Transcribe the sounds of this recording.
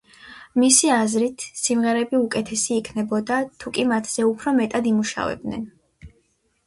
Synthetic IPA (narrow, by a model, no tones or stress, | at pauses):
misiazɾit̪ʰsimʁɛɾɛbiukʼɛt̪ʰɛsiːkʰnɛbɔd̪at̪ʰukʼimat̪ʰz̥ɛupʰɾɔmɛt̪ʼad̪imuʃa̰vɛ̰b̚d̪nɛ̰n